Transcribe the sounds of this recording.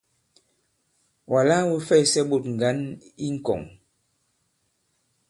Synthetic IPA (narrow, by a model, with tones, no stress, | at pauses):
wʔa˨la˦wu˦fɛ˦˨sɛ˦ɓo˨tŋ̩˨ɡa˨˦ni˦ŋ̩˦kɔ̰˨ŋ